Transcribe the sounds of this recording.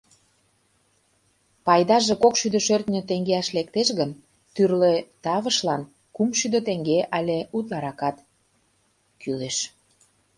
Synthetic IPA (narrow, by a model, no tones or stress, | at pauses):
pɑjd̪ɑʒekokʃyd̪øʃørt̪nʲøt̪eŋɡeɑʃlekt̪eʃɣən | t̪yrlet̪ɑβə̆ʃlɑn | kumʃyd̪ø̆t̪eŋɡeʔɑlʲeut̪̬lɑɾɑkɑt̪ | kyleʃ